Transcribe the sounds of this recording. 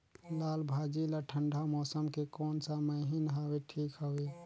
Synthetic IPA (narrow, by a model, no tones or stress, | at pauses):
lalbʱad͡ʒilaʈʰəɳɖʱamɔsəmkekɔːnsaməɦinɦabeʈʰikɦəwe